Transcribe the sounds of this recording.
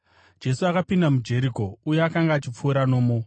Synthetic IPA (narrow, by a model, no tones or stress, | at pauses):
d͡ʒe̞suakapindamud͡ʒe̞ɾiko̞ujeakaŋɡaːt͡ʃip͡fuːɾano̞ːmo